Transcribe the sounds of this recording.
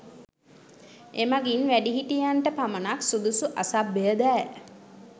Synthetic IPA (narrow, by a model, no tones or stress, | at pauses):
emaɡinʋæɖiɦiʈijanʈəpamənaksud̪usuʔasabːejəd̪æː